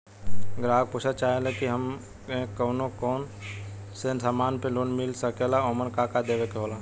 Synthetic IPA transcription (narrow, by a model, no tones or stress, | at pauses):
ɡɾaːɡ̚put͡ʃʰat͡ʃaːɦelekiɦəm | ẽkəːnokɔːn | sensaːmaːnpẽloːnmɪlsəkelaomənkakad̪eːʋekeɦoːla